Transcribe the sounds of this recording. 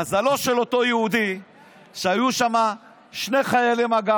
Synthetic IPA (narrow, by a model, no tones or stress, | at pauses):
azalo̞ʃelo̞t̪ojeud̪i | ʃeajuʃama | ʃne̞χajalimaɡa